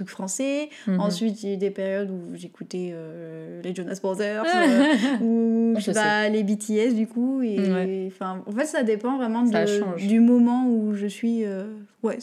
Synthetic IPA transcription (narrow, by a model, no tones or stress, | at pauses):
ykfχɑ̃sɛ | ɑ̃sɥit̪d̪epeʁjɔd̪uʒekut̪eøleʒonasbɔ̃t̪œʁs | ubalebit̪ʰiɛsd̪ykueɛɑ̃fɛ̃ɑ̃fɛt̪sad̪epɑ̃vʁɛmɑ̃d̪ə̃d̪ymɔmɑ̃uʒəsɥiø | wɛ